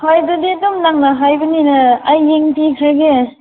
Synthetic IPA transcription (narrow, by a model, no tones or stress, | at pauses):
hajdudidumnaŋnaɦajbɯninɐːjːeŋpʰikʰaɾɡe